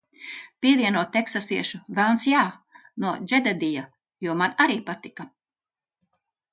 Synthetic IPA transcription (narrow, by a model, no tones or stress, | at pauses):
piɛviɛnuɔt̪ːeksasiɛʃuvɛlˠnsjaːnuɔd͡ʒɛd̪ad̪ija | juɔmanaɾiːpat̪ika